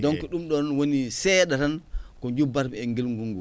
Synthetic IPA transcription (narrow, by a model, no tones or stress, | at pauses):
dɔŋkɔɗumɗɔnwonisɛɗaɾankɔɲd͡ʒubaɾmɛŋɡilŋɡuŋɡu